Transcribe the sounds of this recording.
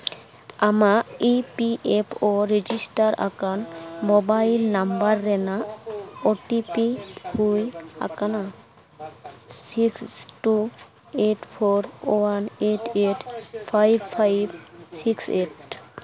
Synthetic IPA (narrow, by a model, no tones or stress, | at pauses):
amaipiʔepʰoɾed͡ʒisʈaɾa̰kanmobailnambaɾːenaoʈipihuja̰kana | sikssʈu | eʈpʰoɾowaneʈeʈpʰajbpʰajbsikseʈ